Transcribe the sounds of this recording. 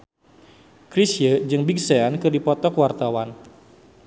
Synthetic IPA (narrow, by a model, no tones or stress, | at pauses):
kɾisjəd͡ʒɨŋbik̚seankɨrdipɔt̪ɔkwart̪awan